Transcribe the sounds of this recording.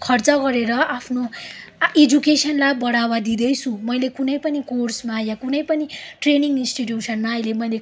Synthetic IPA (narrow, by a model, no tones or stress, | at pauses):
kʰʌrt͡sʌɡʌɾeɾʌʔapʰno | ed͡zukesʌnlajbʌɽawad̪id̪ʌjt͡sʰũmʌjlekunʌjpʌnikorsmajakunʌjpʌniʈreniŋinsʈiʈ̬jusʰʌnmaʌjlemʌjle